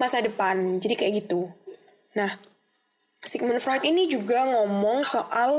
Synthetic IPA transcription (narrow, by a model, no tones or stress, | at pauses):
masadəpand͡ʒadikajaʔɡit̪u | nah | siɡ̚mənfɾɔit̪inid͡ʒuɡaŋɔmɔŋsoʔal